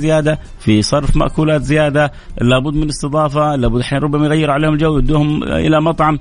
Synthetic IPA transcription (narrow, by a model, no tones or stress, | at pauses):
zɪjaːd̪a | fisˤɑrˤfma̰ʔkuːlaːt̪zɪjaːd̪a | laːbʊd̪ːmɪnɪst̪ɨd̪ˤɑːfalaːbʊd̪ːʔħiːnɾˤʊbːamajɣajːɪɾʕaleːhʊmɪld͡ʒawːʊd̪ːuːhʊmʔɪ̰lamɑt̪ˤʕɑm